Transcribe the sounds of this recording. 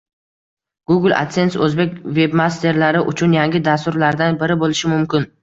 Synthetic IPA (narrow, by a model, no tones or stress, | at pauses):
ɡ̥uɡlˠa̰t̪se̞nsɵzbe̞kʲve̞bmast̪ʰe̞ɾlaɾɪʔʊt͡ʃʰʊnjaŋɡʲɪd̪ast̪ʊɾlaɾd̪anbɪɾɪbolɪʃɪmʊmkʲɪn